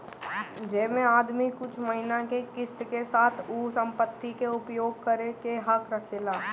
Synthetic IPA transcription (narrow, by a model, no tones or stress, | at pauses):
d͡ʒeːmẽaːd̪mikʊt͡ʃʰmɐɦɪnakekɪst̪kesaːt̪ʰuːsə̃mpət̪ːikeʊpjoːɡ̚kəɾekeɦɐkɾɐkʰelaː